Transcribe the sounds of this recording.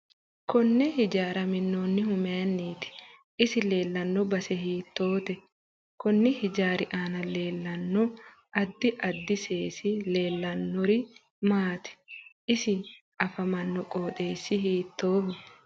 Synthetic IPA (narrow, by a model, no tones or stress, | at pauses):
kɔnːɛhɪd͡ʒaːɾɐmɪnːoːnːɪhʊmeɐnːiːt̪ɪ̥ | ʔɪsɪle̞ːlːɐnːɔbɐsɛɦiːt̪ːo̞ːt̪ɛ | kɔnːɪhɪd͡ʒaːɾɪʔaːnɐle̞ːlːɐnːɔ | ʔɐd̪ːɪʔɐd̪ːɪseːsɪle̞ːlːɐnːɔɾɪ | maːt̪ɪ̥ʔɪsɪ | ɐfɐmɐnːɔkʼoːt̪ʼeːsːɪɦiːt̪ːo̞ːfɛ